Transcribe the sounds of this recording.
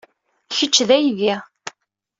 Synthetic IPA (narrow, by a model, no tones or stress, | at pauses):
çət͡ʃːðæjvæ